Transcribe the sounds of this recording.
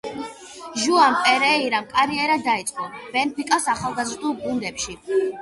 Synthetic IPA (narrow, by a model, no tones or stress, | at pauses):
ʒuampʼɛɾɛiɾamkʼaɾiɛɾad̪ait̪sʼqʼɔb̥ɛnpʰikʼasaχalˠɡazɾd̪ulˠɡund̪ɛpʃi